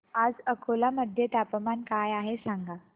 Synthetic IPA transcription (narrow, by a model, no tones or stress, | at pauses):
ad͡zəkʰolaməd̪ʱjet̪apəmankajaɦesãŋɡa